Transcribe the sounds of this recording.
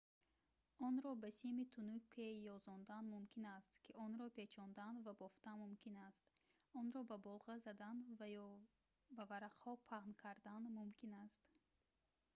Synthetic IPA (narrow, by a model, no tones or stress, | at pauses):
ɔnɾɔbasimit̪ʰunukʰːejɔzɔnd̪anmumkʰinast̪kʰiɔnɾɔpe̞t͡ʃʰɔnd̪anvabɔft̪amumkʲinast̪ | ɔnɾɔbabɔlʁazad̪anvajɔ | bavaɾaqhɔpʰaʁnkʰaɾd̪anmumkʰinast̪